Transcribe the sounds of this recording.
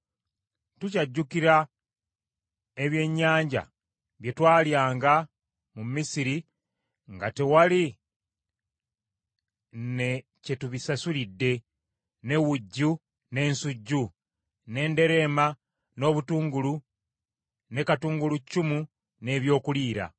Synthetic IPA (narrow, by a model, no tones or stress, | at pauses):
tucaɟːukiɾa | eβje̞ɲːaːɲɟa̰ | βje̞twaːljaːŋɡa | mumisiɾi | ŋɡatewali | ne̞ | ce̞tuβisasulidːe̞ | ne̞wuɟːu | ne̞ːnsuɟːu | ne̞ːnde̞ɾe̞ːma | no̞βutuːŋɡulu | ne̞katuːŋɡulucːumu | ne̞ːβjo̞ːkuliːɾa̰